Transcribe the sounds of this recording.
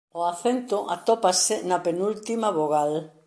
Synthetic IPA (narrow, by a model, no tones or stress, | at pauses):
oaθent̪ʊʔat̪ɔpasɪnɐpenult̪imaβoɣal